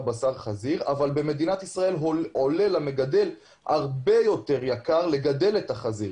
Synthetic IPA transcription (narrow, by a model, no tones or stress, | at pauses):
basaʁχaziʁavalbe̞me̞d̪inat̪isʁae̞lole̞lame̞ɡade̞l | haʁbe̞jo̞te̞ʁjakaʁle̞ɡade̞le̞t̪aχaziʁ